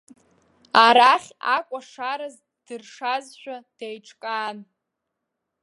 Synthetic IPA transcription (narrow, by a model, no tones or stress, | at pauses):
aɾaχʲakʷʼaʂaɾɨz | d̥ɨrʂazʃᶣad̥ajʈ͡ʂʰʼkʼaːn